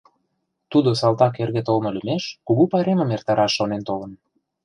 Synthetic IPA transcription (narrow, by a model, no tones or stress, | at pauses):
t̪ud̪osɑlt̪ɑk̬erɣet̪olmɤ̆lymeʃkuɣupɑɾemə̆mert̪ɑɾɑʃːonent̪olə̆n